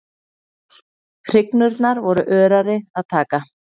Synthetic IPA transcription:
kʰɾɪknʏɾt̪naɾvɔɾʏʔœːɾaɾɪaðt̪ʰaːka

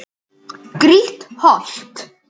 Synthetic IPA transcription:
ɡ̥riːthɔɬtʰ

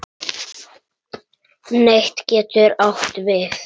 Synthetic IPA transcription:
nejht̪cɛːt̪ʏɾawht̪vɪθ

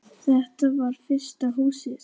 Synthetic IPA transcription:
θɛht̪avaɾ̥fɪr̥st̪aɦuːsɪɾ

